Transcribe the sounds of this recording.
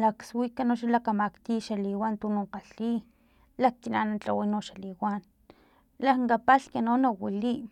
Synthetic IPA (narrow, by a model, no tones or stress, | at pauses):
lakswikanoʃalakamakt̪iʃaliwant̪unoqaɬi | lak̚kinanat͡ɬa̰winoʃaliwan | lakŋɡapaɬkanonawiliʔ